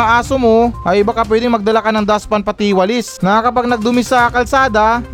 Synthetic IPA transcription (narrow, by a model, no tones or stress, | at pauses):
aʔaːsomoʔɐjʔɪbakɐpwɛːd̪ɪŋmɐɡ̚d̪ɐlakɐnɐŋd̪aspɐnpɐt̪iːwɐlɪsnɐakɐpaɡ̚nɐɡ̚d̪ʊmɪsɐkɐlsaːd̪ɐ